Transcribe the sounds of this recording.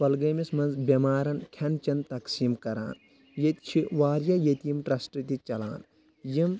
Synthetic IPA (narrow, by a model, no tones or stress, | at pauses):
pɐlɡɐːmismɐnzbʲɐmaːɾɐnkʰɐnt͡ʃɐnt̪ɐksiːmkɐɾa̰ːn | jɐt̪t͡ʃʰiʋaːɾjɐjɐt̪jimʈɾɐsʈɾɨt̪it͡ʃɐla̰ːn | jim